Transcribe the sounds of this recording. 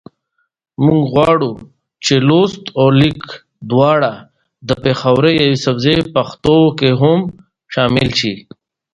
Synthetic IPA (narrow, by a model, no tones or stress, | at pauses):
muŋɡɣwaːɽu | t͡ʃeloːst̪oːlik | d̪waːɽa | d̪əpeːxawɾejɐwisɐbzepɐxt̪okeɦum | ʃaːmilʃi